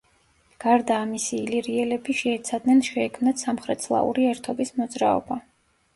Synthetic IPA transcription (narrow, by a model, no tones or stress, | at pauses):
ɡ̥aɾd̪aːmisiːliɾiɛlɛbiʃɛːt̪sʰad̪nɛnʃɛːkʰmnat̪samχɾɛt̪sʰlˠa̰ṵɾiɛɾt̪ʰɔbismɔd̪zɾaɔ̰ba